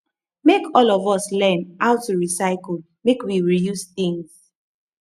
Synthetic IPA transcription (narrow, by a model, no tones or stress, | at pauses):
mekʰɔlɔvɔslɛ̃nʔaʊtuɹisaɪk̩ | mekwiɹijusθĩŋs